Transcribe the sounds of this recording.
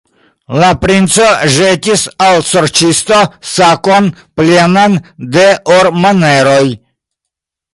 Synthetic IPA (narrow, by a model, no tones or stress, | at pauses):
lapɾint͡soʒetʲisawsoɾt͡ʃist̪osakonplanand̪eʔoɾmaneɾoj